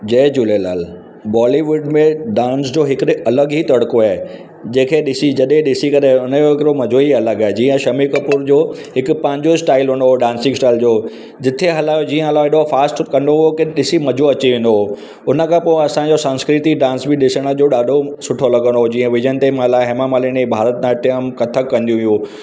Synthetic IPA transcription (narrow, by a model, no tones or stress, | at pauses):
d͡ʑeːd͡ʑuːlela̰ːl | bɔːliʋʊɖmẽɖãːnsd͡ʑoːɦɪkɐləɡɦit̪ɐɽkoaːɦe | d͡ʑẽːkʰeɗɪsid͡ʑɐɗẽɗɪsikɐɾeʊnəjoɦɪkɪɾomɐd͡ʑʱoɦiɐləɡaːed͡ʑiːə̃ʃɐmikɐpuːɾd͡ʑoːɦɪkʊ̆pɐ̃ɦɪ̃ɲd͡ʑosʈaːɪlʋʊ̃n̆d̪oɦoɖãːnsɪ̃ŋsʈaːɪld͡ʑoː | d͡ʑɪt̪ʰeɦɐlaːd͡ʑiːə̃ɐlaɪɗofaːsʈkɐ̃nd̪oɦokeɗɪsimɐd͡ʑʱoɐt͡ɕiʋẽːnd̪oɦo | ʊnə̆kʰãpoɪ̃ɐsãd͡ʑosə̃nskɾɪt̪iɖãːnsbɪɗɪsəɽ̃ə̆d͡ʑoɗaːɖʱosʊʈʰolɐɡə̃nd̪oɦod͡ʑĩːə̃ʋɪd͡ʑənɪt̪emãlaɦeːmamaːliñibʱaːɾət̪̚ãʈɐəmkɐt̪ʰəkːɐ̃nd̪iũijũ